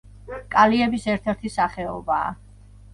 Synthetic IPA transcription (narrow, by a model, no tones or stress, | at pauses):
kʼaliɛbisɛɾt̪ʰɛɾt̪ʰisaχɛɔba̰ː